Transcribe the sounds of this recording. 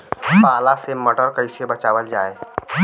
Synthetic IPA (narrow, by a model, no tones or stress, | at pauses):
paːlaseməʈəɾkəɪsebɐt͡ʃaːʋəld͡ʒaːeː